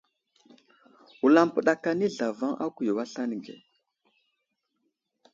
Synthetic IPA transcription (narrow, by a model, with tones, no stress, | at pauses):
wu˨la˦mpə˨ɗa˨ka˦ni˦ɮa˨va˦ŋʔa̰˦ku˨jo˨wa˦ɬa˦ni˨ɡḛ˨